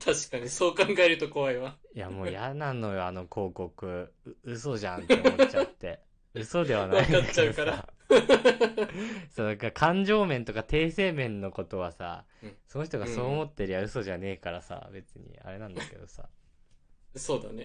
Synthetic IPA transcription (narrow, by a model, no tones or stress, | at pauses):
t̪ʰaɕi̥kaɲ̟iso̞ːkãŋɡaeɾɯt̪o̞ko̞aiβaijamo̞ːjanãnːo̞jo̞ano̞kʰo̞ːko̞kɯ̟ | ɯ̟so̞ʑã̰nteoot͡ɕat̪ːe̞ | ɯ̟so̞d̪e̞β̞anaiiaekt͡ɕːaɯkaɾa | so̞ːd̪akakʰãɲ̟d͡ʑo̞ːmẽ̞nt̪o̞kat̪ʰe̞ːse̞ːmẽ̞nːo̞ko̞t̪o̞βasa̰ | so̞no̞ç̬ʲi̥t̪o̞ɡaaso̞ːmo̞t̪ːe̞ɾʲijaɯ̟so̞ʑane̞ːkaɾasa̰be̞t͡sɨɲ̟ḭa̰ɾe̞nãnd̪aake̞̰d̪o̞sa̰ | soːd̪ane